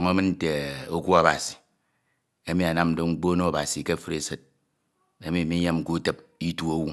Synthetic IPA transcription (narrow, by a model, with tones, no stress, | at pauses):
ŋo˦mɨ˦n̩˦te˨o˦kʷu˦a˨ba˨si̥˨ | e˦mi˨˦a˨na˦mn̩˦do˦ŋ͡m̩˦k͡po˦no˦a˨ba˨si˨ke˦fɨ˦ɾe˨sɨ˦t̚ | e˦mi˨mi˦ɲe˦m̩˦ku˦tɨ˨p̚i˦tu˦o˦wu˦